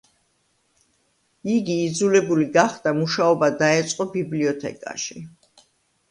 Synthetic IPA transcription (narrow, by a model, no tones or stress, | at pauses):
iɡiːd̪zulɛbuliɡaχd̪amuʃaɔbad̪aɛt̪sʼqʼɔbibliɔt̪ʰɛ̰kʼa̰ʃi